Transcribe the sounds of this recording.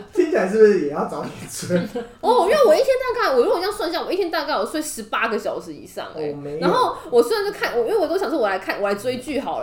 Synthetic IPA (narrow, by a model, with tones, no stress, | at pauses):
t͡ɕi˥ŋt͡ɕʰʂɻ̩˥˩bʂ̩˥˩jɛ˨˩jɑ˥˩ʊt͡sɑ˨˧˥ʊt̪i˨˩t͡sʰe˥˩ | ɔ˥˩i˥nwe˥˩wɔ˨i˥˩t̪ʰjɛ˥nt̪a˥˧˩ka˥˩ɪwɔ˨˩ɻu˥˨˩jɑ˥˧ŋswa˥˧nɕ̬jɑ˥˩ŋwɔ˨˩i˥˩t̪ʰjɛ˥nt̪a˥˧ka˥˩ɪɔ˨˩swʂɻ̩˧˥pa˥ɡə˨ɕjɑ˨˩ʊʂɻ̩˧˦ḭ˨˩˦ʂɑ̰˥˩ŋ̰˩˦me˧˦a˨˧nxo˥˩ʊwɔ˨˩swa˧˦nt͡ɕo˥˧˩kʰa˥˩nwɔ˨˩˥wɔ˨˩t̪o˥ɕɑ˨ŋʰ˩o˥˩wɔ˨˩la˧˥ɪkʰnwɔ˨˩a˧˥ɪt͡swe˥ɪt͡ɕy˥˩xɑ˨˩ʊə˦